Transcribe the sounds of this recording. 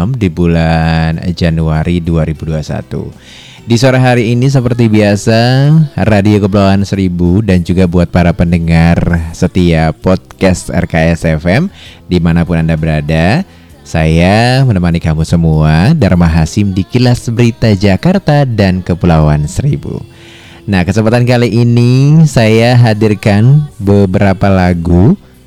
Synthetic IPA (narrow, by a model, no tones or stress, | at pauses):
mdibuland͡ʒanuaɾiduaɾibuduasa̰t̪ṵ | disoɾaɦaɾiːnis̬əpərt̪ibiasaradiokəp̬ulawansəɾibudand͡ʒuɡabuat̪̚paɾapəndəŋarsət̪iapɔt̪̚kast̪ɛ̰rkaɛsɛfɛmdimanapʊnandabəɾada | sajamənəmanikamusəmuadaɾmaɦasɪmdikilasbəɾit̪ad͡ʒakart̪adankəpulawansəɾibṵ | nahkəsəmpat̪ankaliʔːnisajaɦadirkanbəbəɾapalaɡu